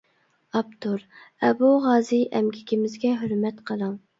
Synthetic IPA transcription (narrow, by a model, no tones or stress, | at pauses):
ɑbt̪ʰuɾɛbuʁɑːziʔɛmɡʲikʲimɪzɡʲɛɦøɾmɛt̪qʰəlˠɑŋ